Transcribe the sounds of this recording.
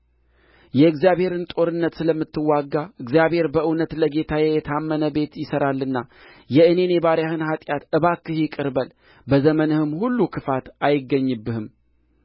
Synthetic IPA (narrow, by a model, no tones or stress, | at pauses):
jɛɨɡzijaβhe̞ɾɨnt̪ʼo̞ɾɨnːət̪sɨləmːɨt̪ʰːɨwːaɡːaɨɡzijaβhe̞ɾbəʔɨwnət̪ləɡe̞t̪ʰajɛjɛt̪ʰamːənəbe̞t̪jɪsəɾalːɨnːa | jɛɨne̞ne̞βaɾjahɨnhat̪ʼjat̪ɨβakːɨhɪkʼɨɾbəl | bəzəmənəhɨmhulːukʰɨfat̪ajɪɡːəɲːɨbːɨhɨm